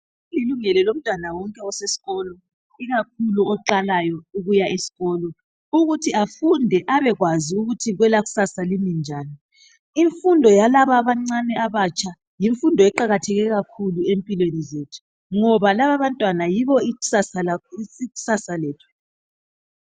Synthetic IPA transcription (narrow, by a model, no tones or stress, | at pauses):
liluŋɛlɛlom̩tʼwanawɔŋkʼɛɔsesi̥ɣɔlɔ | iɣak̚ʰuluɔǃalajɔuɣujaʔesi̥ɣɔːlɔ | uɣutʰiafundʱɛʔaβɛɣwaziuɣutʰiɣwɛlaɣu̥sasalimind͡ʒʱaːni | iɱfundʱɔjalaβaβaŋ͡ǀanɛaβat͡ʃʼʰa | jiɱfundʱɔɛǃaɣatʰɛɣɛɣakʰuluempʼilwenizetʰu̥ | ŋɔβalaβaβantʼwanajiβɔiu̥sasaliɣu̥sasaleːtʰu̥